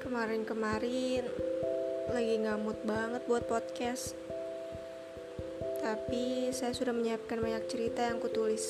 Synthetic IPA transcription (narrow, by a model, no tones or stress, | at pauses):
kəmaɾɪnkəmaɾɪn | laɡiŋɡamʊt̪̚baŋət̪̚buat̪̚pot̪̚kɛs | t̪apisajasudahməɲəap̚kanmaɲak̚t͡ʃəɾit̪ajaŋkut̪ulɪs